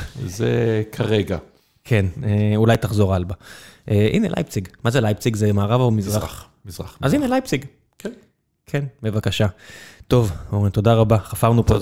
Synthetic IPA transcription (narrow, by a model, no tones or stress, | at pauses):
zḛkʰaʁeɡa | kʰeneulajtaχzo̞ʁalbaʔeʔḭnelʔa̰jpt͡siɡmazelajp̚t͡siɡzemaːʁavomizʁa | zʁaazinelajpt͡siɡ | kʰen | kʰenmevakaʃato̞voʁinto̞daʁabaχafaʁnupo